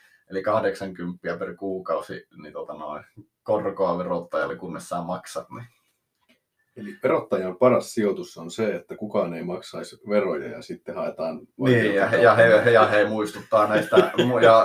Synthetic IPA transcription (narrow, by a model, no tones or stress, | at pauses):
elikɑhdeksɑŋkympːiæperkuːkɑusḭnit̪uot̪ɑno̰i | korkoɑʋerot̪ːɑjɑ̰lːekunːesːɑːmɑksɑt̪ni | eliʋerot̪ːɑjɑpɑrɑssiot̪usːonseet̪ːækukɑːneimɑksɑisʋerojɑ̰jɑ̰sit̪ːehɑet̪ɑːnniiːjɑhjɑhehjɑheimuist̪ut̪ːɑːnæist̪æmujɑ